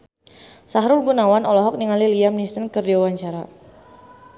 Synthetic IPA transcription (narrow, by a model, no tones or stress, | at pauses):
saɦɾʊlɡunawanɔlɔɦɔk̚niŋaliliamnist̪ənkərd͡ʒawaɲt͡ʃaɾa